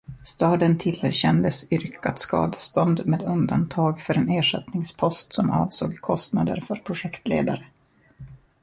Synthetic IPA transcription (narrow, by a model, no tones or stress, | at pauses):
st̪ɑːd̪ənt̪ʰɪlhə̰ɾɕɛnd̪əsʏɾkat̪skɑ̰ːd̪st̪ɔnd̪meːd̪ɵnd̪ant̪ʰɑːɡfœɾɛneːʂɛt̪nɪŋspʰɔst̪sɔmɑ̰ːvsoːɡkʰɔst̪nad̪ə̰ɾfœɾpʰɾʊʂɛkt̪lḛːd̪aɾə